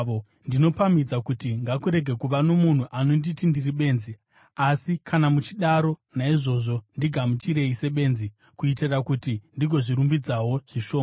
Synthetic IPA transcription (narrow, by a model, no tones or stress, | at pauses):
o | ndino̞pamid͡zakutiŋɡakuɾe̞ɡʱe̞kuʋano̞mun̤uʔanonditindiriɓe̞ːnzi | asikʰanamut͡ʃiɗaɾo̞naiʐo̞ʐo̞ndiɡʱamut͡ʃiɾe̞ise̞ɓe̞ːnzi | kuiterakutindiɡʱo̞ʐiɾumbid͡zawo̞ʐ̥iʃo̞ma